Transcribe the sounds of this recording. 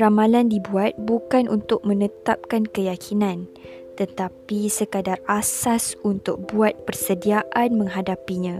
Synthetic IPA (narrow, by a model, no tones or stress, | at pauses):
ɾamalandibuat̪̚bukanʔunt̪ʊk̚mə̃nət̪ap̚kankəjakʰinãn | t̪ət̪apisəkadarasasunt̪ʊk̚buat̪̚pərsədiaʔanmə̃ŋɦadapiɲã